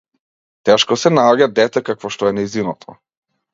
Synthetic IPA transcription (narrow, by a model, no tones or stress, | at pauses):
t̪ɛʃkɔsɛnaɔɟad̪ɛt̪ɛkakvɔʃt̪ɔɛnajzinɔt̪ʰɔ